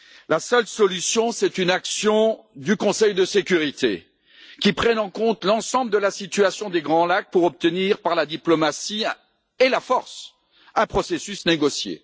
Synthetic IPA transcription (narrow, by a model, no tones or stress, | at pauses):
lasœlsɔlysjɔ̃sɛt̪ynaksjɔ̃d̪ykɔ̃sɛjd̪əsekʲyʁit̪ʰḛ | kʲipχɛnɑ̃kɔ̃t̪lɑ̃sɑ̃bləd̪əlasit̪yasjɔ̃d̪eɡʁɑ̃lak̚puʁɔp̚t̪əniʁpaʁlad̪iplɔmasi | elafɔʁs | ɛ̃pχɔsesysneɡɔsjḛ